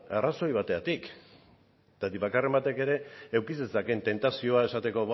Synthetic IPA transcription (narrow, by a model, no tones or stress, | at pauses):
araso̞jβ̞at̪e̞at̪ik | t̪at̪iβakare̞mbat̪e̞ke̞ɾe̞ːwkisesakent̪e̞nt̪asio̞ae̞sat̪e̞ko̞β